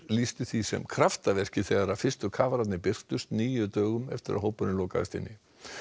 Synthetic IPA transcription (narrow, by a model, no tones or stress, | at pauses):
list̪ʏθvisɛ̰mkʰɾaft̪avɛr̥cɪθɛɣaɾafɪst̪ʏkʰaːvaɾat̪nɪpɪr̥t̪ʏst̪niːjʏt̪œːɣʏmɛ̰ft̪ɪɾa̰ðɦoːwpʏnɪnloːka̰ðɪst̪ɪ̰nːɪ